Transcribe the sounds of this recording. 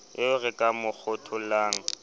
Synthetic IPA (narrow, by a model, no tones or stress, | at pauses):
ɪʊrɪkʼamʊk͡xʰʊtʰʊlaːŋ̩